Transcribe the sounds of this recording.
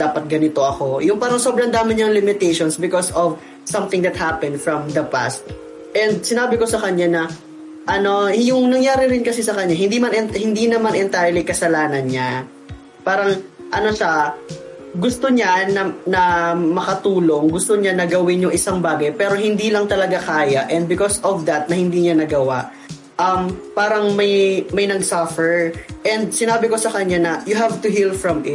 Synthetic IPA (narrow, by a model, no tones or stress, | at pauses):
d̪̥aːpɐt̪̚ɡɐnɪt̪o̞ʔɐko̞jʊŋpaːɾɐŋsobɾɐnd̪aːmɪɲɐŋlɪmɪt̪ɛjʃonsbɪkosɔv | sɐmθɪ̃ŋd̪ɐt̪̚hapɛnd̪fɹɐmd̪ɐpa̰st̪̚ | ʔɛnd̪̚sɪnaːbɪko̞sɐkɐɲanɐ | ʔɐno̞jʊŋnɐŋjaːɾɪɾɪnkɐsɛsɐkɐɲːaɦɪnd̪imanɛnhɪnd̪inɐmanʔɛnt̪ajlikɐsɐlaːnɐnɲa | paːɾɐŋʔɐno̞ʃɐ | ɡʊst̪oɲanɐnɐmɐkɐt̪uːlo̞ŋɡʊst̪oɲanɐɡɐwɪnjʊŋʔɪsaŋbaːɡɐjpɛːɾo̞ɦɪnd̪iːlɐŋt̪ɐlɐɡakaːjaʔɛ̃nd̪̚bɪkosɔvd̪ɐt̪̚nɐhɪnd̪iːɲanɐɡɐwaʔ | ʔɐmpaːɾɐŋmɐjmɐjnɐɡsafɛɹʔɛnd̪̚sɪnaːbɪko̞sɐkɐɲanɐjʊɦavt̪ʊɦilfɹɐmɪt̪̚